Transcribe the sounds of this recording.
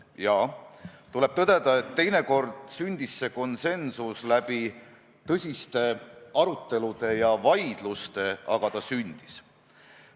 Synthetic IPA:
jɑːt̪ule̞b̥̚t̪ɤd̪̥e̞d̪ɑe̞t̪ːe̞jne̞ko̞rd̪̥synʲd̪̥isːe̞ko̞nse̞nsuslæb̥i | t̪ɤsʲist̪e̞ɑɾut̪ːˑe̞lud̪̥e̞jɑvɑjd̪̥lust̪e̞ʔɑ̰ɡ̥ɑt̪ɑsynʲd̪̥i̥s

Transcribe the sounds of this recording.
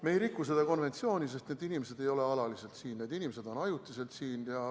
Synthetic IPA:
mejɾikːˑuse̞d̪̥ɑko̞nve̞nt̪sio̞ːnʲise̞st̪ned̪inʲime̞se̞d̪̥e̞jo̞le̞ɑlɑlise̞lt̪siːnːe̞ːd̪inime̞se̞d̪̥o̞nɑjut̪ːˑise̞lt̪siːnjɑ

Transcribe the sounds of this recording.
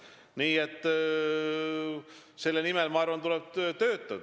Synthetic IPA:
niːet̪ˑː | se̞lːenimɛlmɑɑɾrvɑnt̪ulɛb̥̚t̪ø̞ːt̪ːˑɑd̪̥

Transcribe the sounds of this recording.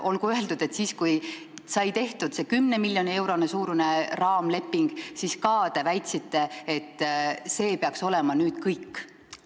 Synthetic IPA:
ʔo̞lɡ̥uøe̞ld̪ud̪̥e̞t̪siːskuj | sɑjt̪e̞ht̪ud̪̥se̞kymne̞milʲjo̞nie̞wɾo̞nesuːɾune̞rɑːmle̞pːiŋɡ̥siskɑːd̪̥e̞væjt̪sit̪ːe̞et̪ˑːse̞ːpeɑkso̞le̞mɑnyːd̪̥kɤjkː

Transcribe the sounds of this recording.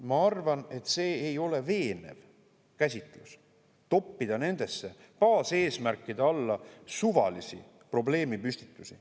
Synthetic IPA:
mɑɑrvɑne̞t̪ːˑse̞ːejo̞le̞ve̞ːne̞̰v | kæsʲit̪ˑlus | t̪o̞pːid̪̥ɑne̞nd̪̥e̞sːe̞ | pɑːse̞ːsmærkːˑid̪eɑlːɑsuvɑ̰lisḭ | pro̞ble̞ːmipysʲt̪i̥t̪ːˑusi

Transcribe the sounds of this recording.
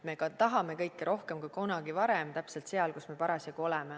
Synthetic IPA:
me̞kɑt̪ɑɦɑme̞kɤjkːiɾo̞hke̞mkujkonɑɡ̥ivɑɾemt̪æpse̞lt̪se̞ɑlkusme̞pɑɾɑsjɑkuo̞lɛme

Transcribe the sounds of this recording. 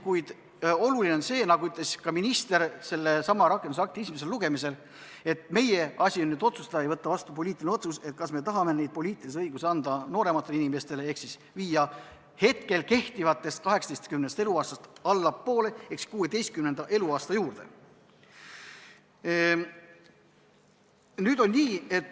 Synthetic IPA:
kujd̪̥ | o̞lulineo̞nse̞ːnɑɡuyt̪ˑleskɑminist̪e̞ɾse̞lːe̞sɑmːɑɾɑkːˑend̪usɑk̚t̪iisimes̬e̞lluɡ̥e̞mise̞l | e̞t̪me̞je̞ɑsʲionːyːd̪o̞t̪su̥st̪ed̪ɑejvɤt̪ːɑvɑst̪up̬o̞lʲiːt̪ˑilineo̞t̪suse̞t̪̚kɑsme̞t̪ɑɦɑme̞ne̞jd̪̥̚po̞lʲiːt̪ːˑiliseɤjɡuseɑnd̪ɑno̞ːɾe̞mɑt̪ːˑelinime̞st̪e̞lee̞ksis | viːjɑ | he̞t̪ke̞lke̞ht̪ivɑt̪ːˑe̞st̪̚kɑɦe̞ksɑt̪e̞st̪kymnest̪e̞luɑːst̪ɑst̪ɑlːɑpːo̞ːlee̞ksi̥kuːed̪e̞jst̪kymnenɑʔe̞luɑːst̪ɑjuːrd̪̥e̞̰ | nyːd̪̥o̞nʲniːe̞t̪ː

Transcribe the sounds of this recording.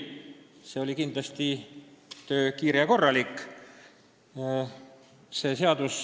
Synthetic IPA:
seo̞lʲikind̪lɑst̪i | t̪øːkiːɾeɑko̞rːɑlikːˑ | se̞ːse̞ɑd̪us

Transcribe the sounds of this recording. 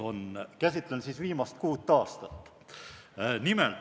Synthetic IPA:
o̞nkæsʲit̪ːˑlensiːsviːmɑst̪̚kuːt̪ːɑːst̪ɑt̪ːˑ | nimel

